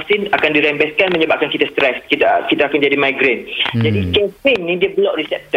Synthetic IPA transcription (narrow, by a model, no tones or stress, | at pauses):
sinakandiɾɛmbɛskanməɲəbaʔ̚kankit̪ast̪ɾɛskit̪akit̪aːkand͡ʒadimajɡɾend͡ʒadikɛpiŋnĩdiabəlɔʔrisɛp̚t̪ə